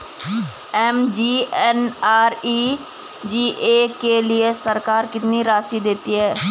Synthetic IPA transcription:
ɛːmd͡ʒiːɛːnaːɾiː | d͡ʒiːʔeːkeːlɪeːsəɾkaːɾkɪt̪niːɾaːsiːd̪ɪt̪ːiːɦɛː

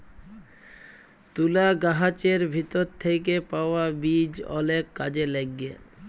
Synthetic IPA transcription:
t̪ulaɡaɦat͡ɕeɾbʱit̪oɾt̪ʰːek̬epaoabid͡ʑɔ̰lekːad͡ʑeleɡːḛ

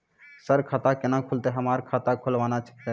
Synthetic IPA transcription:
səɾkʰat̪akɪnakʰult̪eɦəmaːɾkʰat̪akʰʊlʋaːnat͡ʃʰə̥kt̪e

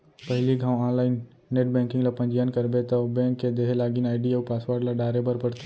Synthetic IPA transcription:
pəɦliɡʱãːwãːnlaːɪnː | eːʈ̚bɛ̃ːŋkɪ̃ŋɡlapɐ̃nd͡ʒijankɐɾbet̪ɐbɛ̃ːŋkːed̪eːɦlaːɡinaːɪɖiaːpaːsʋaːɾɖlaɖaːɾebəɾpəɾt̪

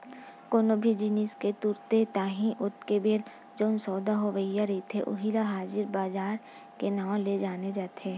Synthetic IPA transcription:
koːnobʱid͡ʒinisket̪ʊɾt̪et̪aːɦĩʔʊt̪kebeːɾ | d͡ʒoːnsɔːd̪aɦoʋəijaɾet̪ʰeʔʊ̰ɦilaɦaːzɪɾbaːzaːɾ | kenaːw̃led͡ʒaːned͡ʒaːt̪eː

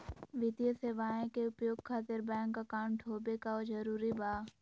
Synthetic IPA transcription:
ʋɪt̪ijəseːʋaːẽkeʊpjoːɡkʰaːt̪ɪɾbɛ̃ːŋkːakaːnʈʰoːbekaozɐɾuːɾibaː

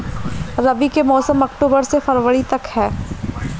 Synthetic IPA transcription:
ɾɐbikemɔːsəmɐkʈoːbəɾsefɐɾʋəɽit̪ɐkhɛː

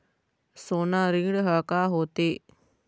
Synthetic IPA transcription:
soːnãːɾĩːɽɦəːkaːɦoːt̪eː

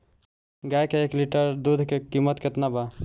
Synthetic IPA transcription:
ɡajkeekliʈəɾd̪ud̪ʱkekimət̪ket̪naba

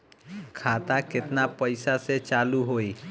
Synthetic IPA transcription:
kʰaːt̪akɪt̪napəɪsaset͡ʃaːluɦoi

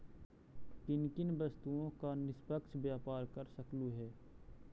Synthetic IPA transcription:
kɪnkɪnbəst̪uõkanɪspəkʃbjaːpaːɾkɐɾsəkluɦɛː

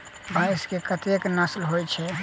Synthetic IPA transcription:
baɪskekət̪eknəslɦojt͡ʃʰɛ

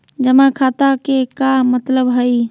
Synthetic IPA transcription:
d͡ʒəmãkʰat̪akekamət̪ləbɦəj

